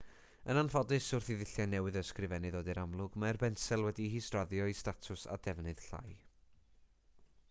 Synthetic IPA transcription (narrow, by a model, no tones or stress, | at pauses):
ənanfɔdɨsʊrθiðɪɬjanɛwɨðəskrɨvɛnɨðoːdiɾamlˠʊɡmaɛrbɛnsɛlˠwɛdihiːstraðjɔistatʰʊsa̰dɛvnɨð̥ɬa̰j